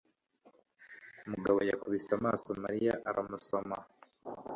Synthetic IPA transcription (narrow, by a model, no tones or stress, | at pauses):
umuɡaβo̞jakuβisamaːsomaɾijaʔaɾamuso̞ma